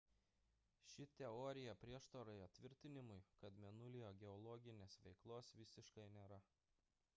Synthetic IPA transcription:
ʃʲɪt̪ʲɛɔːɾʲɪjɛpʲɾʲiɛʃt̪oɾɐɪɐt̪ʲʋʲɪɾʲt̪ʲɪnʲɪmʊɪkɐt̪mʲɛnʊlʲɪjoːɡʲɛɔlˠɔɡʲɪnʲeːsʋʲɛɪklˠoːsʋʲɪsʲɪʃkɐɪnʲeːɾɐ

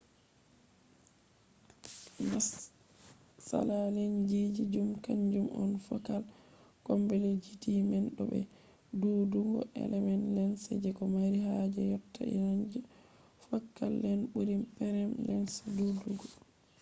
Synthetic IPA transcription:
nas | sa̰lalind͡ʒid͡ʒid͡ʒumkaɲd͡ʒumʔɔ̰nfɔkalkɔmbɛled͡ʒitimɛnɗɔ̰bɛ̰ | duduɡɔ̰ʔɛ̰lɛmɛnlɛnsɛd͡ʒɛkɔmaɾiɦad͡ʒɛjɔtːa̰ḭnand͡ʒɛ | fakːalːɛnɓuɾimpɛɾɛmlɛnsaduduɡɔ

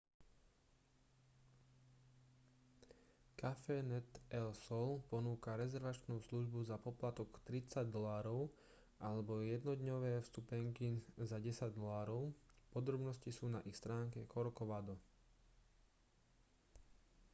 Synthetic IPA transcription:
kafɛnɛt̪ɛlsɔlpɔnuːkaɾɛzɛɾʋat͡ʃnuːsluʒbuzapɔplat̪ɔkt̪ɾit͡saɟd̪ɔlaːɾɔʊ | ʔalɛbɔjɛd̪nɔd̪ɲɔʋɛːfst̪upɛŋkizaɟɛsaɟd̪ɔlaːɾɔʊpɔd̪ɾɔbnɔscisuːnaʔixst̪ɾaːŋkɛkɔɾɔkɔʋad̪ɔ

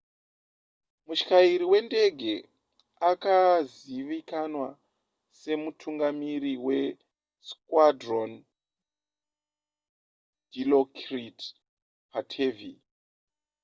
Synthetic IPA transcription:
muʃi̥kaiɾiwe̞nde̞ɡʱe̞ | akaz | iʋikanwa | se̞mutʰuŋɡamiriwe̞ | skwadron | dilokrit | patʰe̞vi

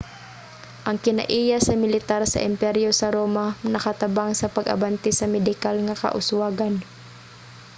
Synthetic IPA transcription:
ʔɐŋkɪnɐ̰ʔiːjasɐmɪlɪt̪aɾsɐ̰ʔɪmpɛɾjosɐɾoːmanɐkat̪ɐbaŋsɐpɐɡʔɐ̰bant̪ɪsɐmɛd̪ɪkalŋakɐ̰ʔʊ̰swaːɡan

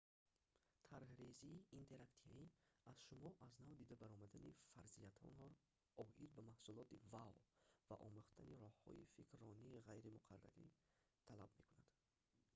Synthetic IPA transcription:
t̪ʰaɾhɾeziːnt̪ʰe̞ɾakt̪ʰiviazʃumɔʔaznavd̪id̪abaɾɔmad̪anifaɾziat̪ʰɔ̰nɔɾ | ɔʔid̪̚bamahsulɔt̪ivavva̰ʔɔ̰muχt̪ʰaniɾɔhːɔ̰ḭfikʰɾɔniːʁajɾimuqʰa̰rːa̰ɾḭ | t̪ʰalabme̞kunad̪̥

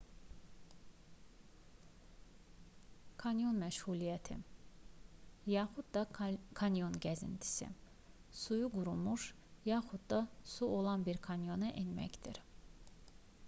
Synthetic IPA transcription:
kʰɑnjo̞nmæʃhulijɛt̪ʰḭ | jɑːxud̪d̪ɑkʰɑnjo̞nɟæzḭnt̪ʰi̥sḭ | sujuɡuɾumuʃ | jɑːxud̪d̪ɑsuolˠɑnbiɾkʰɑnjo̞nɛʔinmæ̰cd̪ḭɾ

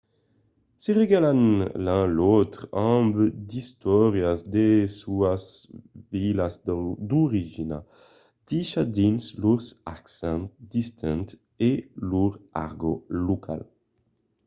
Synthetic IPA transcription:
seʁeɡalanlɛ̃lot̪ʁɑ̃bd̪ist̪ɔʁjasd̪esuasvilasd̪uʁiʒina̰ | d̪̥iʃad̪insluʁsaksɛ̃ntd̪ist̪ʰɛ̃nt̪ | eluʁa̰ʁɡolokʰa̰l

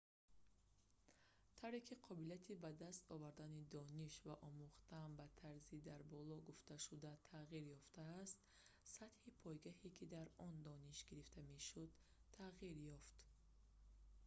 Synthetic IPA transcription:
t̪ʰawɾekʰiqʰɔbiliat̪ʰibad̪ast̪ɔvaɾd̪anid̪ɔniʃvaʔɔmuχt̪ambat̪ʰaɾzid̪aɾbɔlɔɡuft̪aʃud̪at̪ʰaʁiɾjɔft̪aːst̪ | sat̪hipʰɔjɡahikʰid̪aɾɔnd̪ɔniʃɡiɾift̪ʰame̞ʃud̪ | t̪ʰːaʁiɾjɔft̪

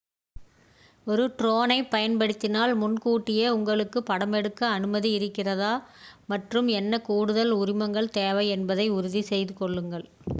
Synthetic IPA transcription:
ɔɾɯʈɾoːnɐɪpɐjɐnpɐɽɪt̪ːɪnaːlmʊnkuːʈːɪjɐʊŋɡɐɭɯkːɯpːɐɽɐmɛɽɯkːɐːnɯmɐðiɪɾɯkːɪrɐðaːmɐʈrɯmɛnːɐkuːɽɯðɐlʊɾɪmɐŋɡɐɭt̪eːʋɐɪɛnbɐðɐɪʊɾɯðisɛjðɯkɔɭːɯŋɡɐɭ

